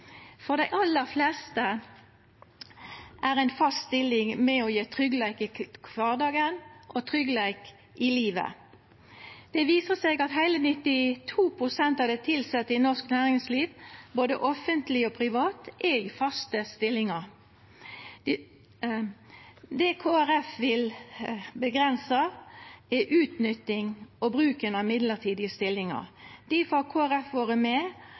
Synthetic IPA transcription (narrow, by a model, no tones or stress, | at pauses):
fɔʁd̪æɪʔɑlːəʁflɛst̪ə | ʔæʁæɪnfɑstst̪ɪlɪŋmɛɔjeːt̪ʰʁʏɡlæɪkɪkʰʋɑːʁd̪ɑːɡənʔɔt̪ʰʁʏɡlæɪk | ʔɪliːʋə̰ | d̪̥ɛʋiːsəseːɡɑt̪ɦæɪlənɪt̪ɪt̪ʰuːpʰʁʊsɛnt̪ɑʋd̪ɛt̪ʰɪlsɛt̪ːəɪnɔʁsknæːʁɪŋsliːʋboːd̪əʔɔfənt̪lɪɔpʰʁɪʋɑːt̪ʔɛɪfɑst̪əst̪ɪlːɪŋəʁ | d̪ɛkʰoːæʁɛfʋɪl | bəɡʁɛnsə | ɛʔʉːt̪nʏt̪ːɪŋɔbʁʉːkənɑmɪd̪ləʁt̪ʰiːd̪ɪəst̪ɪlːɪŋə̰ʁd̪̥ifɑkʰoːæʁɛfʋoːʁəmɛ